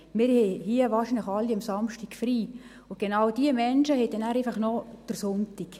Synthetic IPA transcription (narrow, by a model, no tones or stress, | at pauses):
mɪːɾhɛhiəʋɑːrʃinləxɑlːiɑmsɑmʃtikfriː | ʊɡ̥enɑwd̥iəmɛnʃəhɛd̥ɛnæːɾɛfɑχnɔd̥əɾsʊntik